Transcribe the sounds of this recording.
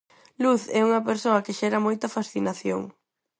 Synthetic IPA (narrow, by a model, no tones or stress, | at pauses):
luθɛuŋɐpeɾsoɐkɪʃɛɾɐmojt̪ɐfasθinaθjo̰ŋ